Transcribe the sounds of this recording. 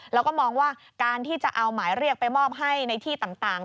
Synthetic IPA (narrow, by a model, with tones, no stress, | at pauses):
lɛː˦˥wkɔː˥˩mɔː˧ŋwaː˥˩ | kaː˧nt̪ʰiː˥˩t͡ɕa˨˩ʔa˧wmaː˩˦jɾi˥˩ək̚pa˧jmɔː˥˩p̚ɦa˥˩jna˧jt̪ʰiː˥˩t̪a˨˩ŋt̪aː˨˩ŋ